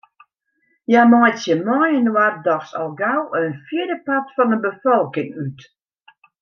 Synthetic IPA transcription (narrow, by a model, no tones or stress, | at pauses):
jamajtsjəmɔjənwardɔxsɔlˠɡawənfjidəpatfɔnəbəfɔlˠkɪŋyt